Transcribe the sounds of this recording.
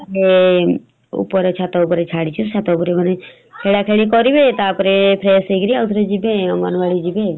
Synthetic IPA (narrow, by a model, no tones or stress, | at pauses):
e | ṵpɔɾet͡ʃʰat̪aupɔɾet͡ʃʰaɽit͡ʃʰusʰat̪aupɔɾeməne | kʰeɭakʰeɭikɔɾibet̪apɔɾepʰɾeːseɡɾiaut̪ʰɾed͡ʒibeɔŋɡa̰nʋaɭid͡ʒibe